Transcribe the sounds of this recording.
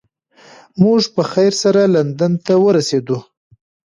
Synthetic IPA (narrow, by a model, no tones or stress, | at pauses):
muʐpəxajɾsaɾaland̪ant̪awəɾased̪u